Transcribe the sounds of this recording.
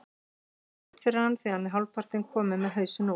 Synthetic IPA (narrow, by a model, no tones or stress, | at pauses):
t̪fɪɾɪɾhanθiːanmɛɦawlpʰar̥t̪ɪnkʰɔːmɪmɛðɦœɥsʏno